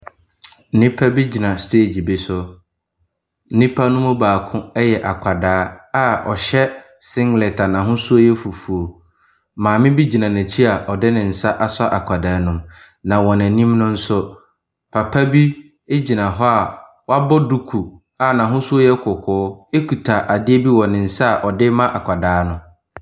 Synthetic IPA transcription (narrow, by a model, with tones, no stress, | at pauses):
n̩˦nɪ̃˦pʰa˦bi˦d͡ʑi˨nã˨stʰe˦˨d͡ʑi˨bɪ˨sʊ˦ | n̩˦nĩ˦pʰa˦nʊ̃˦mʊ̃˦baː˨kʰʊ̃˦ɛ˦jɛ˨ʔa˨kʷʰa˨daː˨˦a˨ɔ̰˨ɕɛ˦ | sɪ̃˦ŋɡlɛ˨tʰa˨nã˨ɦʊ̃˦su˦o˦jɛ˦fu˨fu˨o˨ | mãː˨mɪ̃˦bi˦d͡ʑi˨nã˨næ̃˨t͡ɕʰi˦a˨ʔɔ˨dɪ˦nɪ̃˨n̩˨sa˦ʔa˦sa˦ʔa˨kʷʰa˨daː˨˦nʊ̃˦m | nã˨wɔ˨næ̃˨nĩ˦mnʊ̃˦n̩˦sʊ˦ | pʰa˨pʰa˦bi˦ | e˦d͡ʑi˨nã˨ɦɔ˦a˨ | wɔ˦a˦bɔ˦du˦kʰu˨ | a˨nã˨ɦʊ̃˦su˦o˦jɛ˦kʰʊ˨kʰʊː˨˦e˦kʰu˨tʰa˨ʔa˨dɪ˦e˦bi˦wɔ̃˨nɪ̃˨n̩˨sa˦a˨ʔɔ˨dɪ˦mã˦ʔa˨kʷʰa˨daː˨˦nʊ̃˦